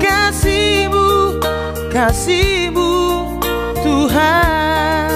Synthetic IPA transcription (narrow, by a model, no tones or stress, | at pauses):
kasibu | kasibu | t̪uɦa